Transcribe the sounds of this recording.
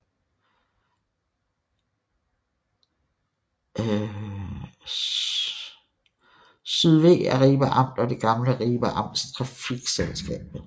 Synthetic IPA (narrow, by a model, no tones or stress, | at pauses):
syðˠʋe̝̰ːæɐʁiːb̥æʔɑ̈m̰d̥ɒd̥e̝ɡ̥ɑ̈mləʁiːb̥æʔɑ̈m̰d̥st͡sʰʁɑ̈fiɡ̥selsɡ̥ɛ̰ːb̥ð̩ˠ